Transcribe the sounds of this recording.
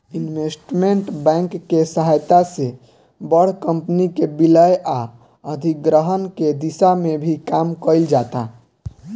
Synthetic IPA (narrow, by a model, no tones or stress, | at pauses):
inʋesʈmeɳʈbɛ̃ŋkːesəɦajt̪ase | bəɽ̤kəmpnikebiləjʔa | əd̪ʱiɡɾəɦənked̪isamebʱikamkəɪld͡ʒat̪a